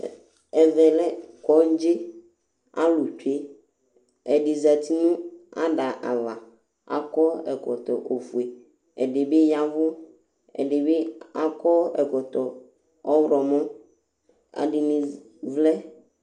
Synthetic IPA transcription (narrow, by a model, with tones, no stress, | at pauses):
ɛ˨vɛ˨lɛ˦kɔ˨˦n˦d͡ʒe˦ | a̰˦lu˨t͡ʃe˦ | ɛ˨ɖi˨za˨t̪i˦nũ˦a˦ɖa˨ʔa˨va˨ | a̰˨kɔ˦ɛ˨kɔ˨t̪ɔ˨ʔo˨fu˨e˨ | ɛ̰˨ɖe˨be˦ja˦vʊ˦ | ɛ̰˨ɖe˨be˦a˨kɔ˦ɛ˨kɔ˨t̪ɔ˨ | ɔ˦wɾɔ˨mɔ̃˦ | a̰˨ɖi˨nĩ˨ | vlɛ˦